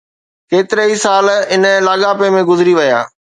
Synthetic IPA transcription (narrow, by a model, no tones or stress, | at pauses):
keːt̪ɪɾəisaːlɪnəlaːɠaːpemẽɡʊzɪɾiʋɐja̰ː